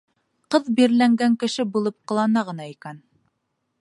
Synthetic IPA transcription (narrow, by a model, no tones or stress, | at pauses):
qɤðbiɾlæŋɡæŋkɘ̆ʃɘbulˠɤp̚qɤ̆lˠɑnɑʁɤ̆nɑikæn